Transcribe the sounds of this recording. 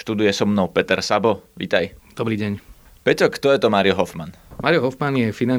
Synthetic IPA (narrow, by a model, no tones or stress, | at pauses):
ʃt̪ud̪ujɛsɔmnɔʊpɛt̪ɛɾsabɔʋḭt̪ajd̪ɔbɾiːɟɛɲ | pɛcɔkt̪ɔjɛt̪ɔmaːɾijɔɦɔfmanmaːɾijɔɦɔfmanjɛfina